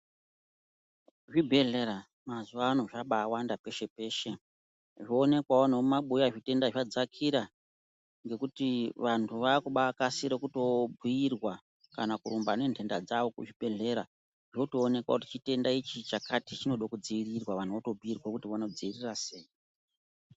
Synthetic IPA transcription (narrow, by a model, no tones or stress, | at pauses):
ʐibʱe̞ɮe̞ɾa | mazuʋaːno̞ʐaɓaːwandape̞ʃe̞pe̞ːʃe̞ | ʐoːne̞kwaonomaɓujaʐite̞ndaʐad͡zakʰiɾa | ŋɡe̞kutiʋantʰuʋakuɓakasiɾekuto̞bʱiirwa | kanakuɾumbane̞ntʰe̞nda̰d͡zaʋo̞kuʐibʱe̞ɮe̞ɾa | ʐotoːne̞kwa̰kuti̥t͡ʃite̞ndait͡ʃit͡ʃakatit͡ʃino̞ɗokud͡ziirirwaʋan̤uʋato̞bʱiirwakutiʋano̞d͡ziirirase̞ːji